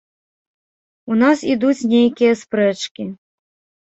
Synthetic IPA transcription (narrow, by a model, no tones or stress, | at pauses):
unasid̪ut͡sʲnʲejkʲijɐspɾɛt͡ʂkʲi